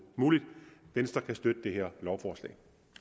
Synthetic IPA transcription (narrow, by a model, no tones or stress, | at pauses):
muːlid̥d̥ensd̥ɑkʰæsd̥ød̥əd̥e̝ɦeɐlɒʊfɒːslɛ̰ɪ